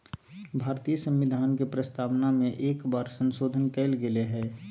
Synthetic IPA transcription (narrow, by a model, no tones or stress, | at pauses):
bʱaːɾt̪ijəsə̃mʋɪd̪ʱaːnkepɾəst̪ʰaːʋnamẽʔeːkbaːɾsə̃nsoːd̪ʱənkeɪlɡeleɦɛː